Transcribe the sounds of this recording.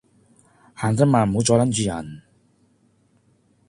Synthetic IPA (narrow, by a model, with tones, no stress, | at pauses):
haː˨˩nt͡sɐ˥maː˨˩nm˨o˨˥t͡sɔː˧jla˥nt͡ɕyː˧jɐ̰˨˩n